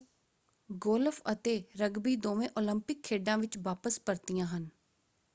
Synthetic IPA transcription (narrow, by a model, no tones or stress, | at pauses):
ɡoːlfʰət̪eːɾəɡbiːd̪oːʋẽːʔoːləmpɪkʰːeːɖãːʋɪt͡ʃʋaːpəspəɾt̪ijãːɦən